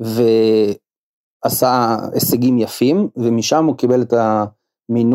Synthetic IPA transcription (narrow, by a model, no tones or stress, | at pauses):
ve̞ | asaeseɡimjafimvemiʃamukibe̞let̪a | min